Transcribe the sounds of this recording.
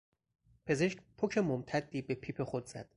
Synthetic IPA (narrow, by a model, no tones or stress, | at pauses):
pʰe̞ze̞ʃc̚ʲpʰocʰe̞momt̪ʰæd̪ːiːbe̞pʰiːpʰe̞χod̪z̥æ̰d̪̥